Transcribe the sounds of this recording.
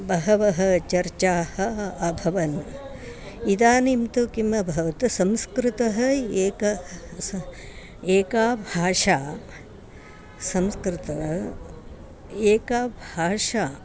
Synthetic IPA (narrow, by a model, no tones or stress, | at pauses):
bɐɦɐʋɐɦɐ̆t͡ʃɐɾt͡ʃaːhɐ̆ɐbʱɐʋɐn | id̪aːnimt̪ukimɐbʱɐʋɐt̪ɐsɐmskɾɪt̪ɐɦɐ̆eːkɐ | eːkaːbʱaːʂaː | sɐmskɾɪt̪ɐ | eːkaːbʱaːʂaː